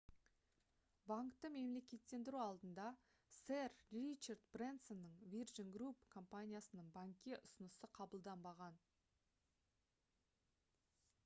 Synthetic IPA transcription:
baŋkt̪əme̞mle̞kʲe̞t̪ːe̞nd̪ɪɾuɑlˠd̪ənd̪ɑ | serrit͡ʃert̪brent̪so̞nːəɴvirʒənɡrupkʰo̞mpanʲijasənəɴbaŋkʲːe̞ʔʊsənəsəqʰɑbəlˠd̪ɑmbɑʁɑn

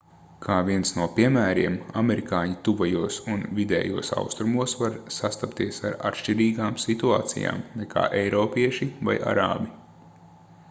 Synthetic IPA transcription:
kʰaːviɛnsnuɔpiɛmæːɾiɛmamɛɾikaːɲit̪uvajuɔsunvʲid̪ɛ̰ːjuɔsa̰wst̪ɾumuɔsvaɾsast̪apt̪iɛsaɾa̰t̪ʃt͡ʃiɾiːɡaːmsit̪ua̰ːt̪sḭja̰ːmnɛkʰa̰ːʔɛjɾɔːpʲiɛʃiva̰jʔa̰ɾa̰ːbi

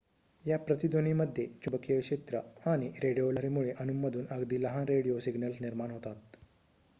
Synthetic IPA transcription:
japɾət̪id̪oniməd̪ʱjet͡ɕubəkijəkʂet̪ɾəaɽ̃iɾeɽijoləɾimuɭeʔənumːəd̪ʱuːnəɡd̪iːləɦanɾeɽiosiɡnəlsniɾmanɦot̪at̪

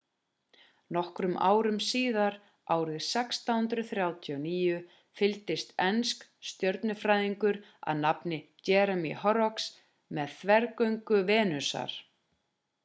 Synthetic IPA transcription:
nɔhkɾʏmʔa̰ːwɾʏmsiːðaɾ | aːwɾɪðsɛkst̪ahʏnt̪ɾʏθɾjaːwt̪ʰiɔniːjʏ | fɪlt̪ɪst̪ɛnskst̪jœɾt̪nʏfɾaːjðiŋkʏɾ | a̰ðnapnɪcɛːɾɛmḭɦɔɾɔks | mɛðθvɛɾkœɥŋkʏvɛːnʏsa̰ɾ̥

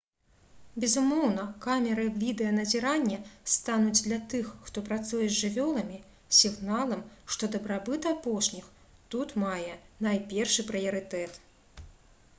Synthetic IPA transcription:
bʲɛzumɔwnɐkamʲɛɾɨvʲid̪ɛjɐnɐzʲiɾanʲːɐst̪anud͡zʲd̪lʲɐt̪ɨxːt̪ɔpɾat̪sujɛzʲʐɨvʲɔlˠɐmʲi | sʲiɣnalˠɐmʂt̪ɔd̪ɐbɾabɨt̪apɔʂnʲix | t̪ut̪majɛnajpʲɛrʂɨpɾɨjɐɾɨt̪ɛt̪

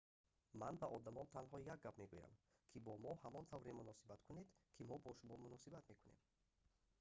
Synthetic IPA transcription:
manbaʔɔd̪amɔnt̪ʰanɦɔjak̚ɡːapme̞ɡuja̰mkʰibɔmɔhamɔnt̪ʰavɾemunɔsibat̪kʰuned̪kʰimɔbɔʃumɔmunɔsibat̪me̞kune̞m

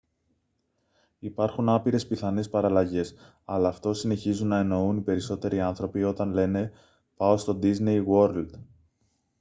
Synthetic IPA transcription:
ipɐɾxunɐpiɾe̞spiθɐne̞spɐɾɐlɐʝe̞s | ɐlɐːft̪o̞sine̞çizunːɐe̞no̞unipe̞ɾiso̞t̪e̞ɾiɐnθɾo̞pio̞t̪ɐnle̞ne̞ | pɐost̪o̞d̪iznejwo̞ɾld̪

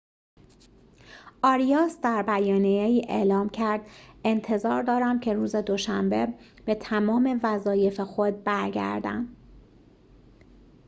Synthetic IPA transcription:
ʔɒːɾijɒːsd̪æɾbæjɒːnijeiːʔḛʔlɒːmcʰæɾd̪̥e̞nt̪ʰe̞zɒːɾd̪ɒːɾæmcʰe̞ɾuːze̞d̪o̞ʃæmbe̞ | b̥e̞t̪ʰæmɒːme̞væzɒːje̞fe̞xo̞d̪̚bæɾɡæ̰ɾd̪æ̰nd̪̥

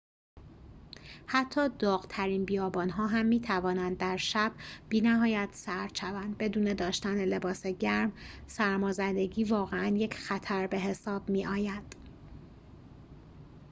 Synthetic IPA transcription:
hæt̪ʰːɒːd̪ɒːɣt̪ʰæɾiːnbijɒːbɒːnɦɒːɦæmːiːt̪ʰævɒːnænd̪̚ːæɾʃæb̥̚b̥iːnæɦɒːjæt̪sæɾt͡ʃævænd̪̚be̞d̪uːne̞d̪ɒːʃt̪ænele̞bɒːse̞ɟæɾmsæɾmɒːzænd̪e̞ɟiːvɒːɣeænje̞cʰxæt̪ʰæɾbe̞ɦe̞sɒːb̥miːʔɒːjænd̪̥

